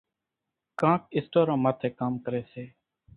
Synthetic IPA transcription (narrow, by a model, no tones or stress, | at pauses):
kãːkɪsʈoːɾãːmaːt̪ʰeːkaːmkəɾeːseː